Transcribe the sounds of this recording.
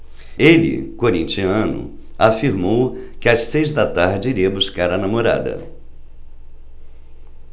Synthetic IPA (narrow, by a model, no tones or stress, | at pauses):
elɪ̰koɾĩnt͡ʃiɐ̃nʊ̰afiɾmowkɪasːejzd̪ɐt̪aɾd͡ʒɪiɾiɐbuskaɾɐnamoɾa̰d̪ɐ̰